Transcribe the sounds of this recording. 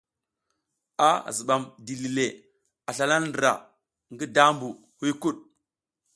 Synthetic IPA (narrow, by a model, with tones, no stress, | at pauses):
a˦˨zi˨ɓa˨mdi˨li˨le˨ | a˨ɬa˨la˦ndɾa̰˨ | ŋɡi˦da˦mbu˨ | hu˦ku˦ɗ̚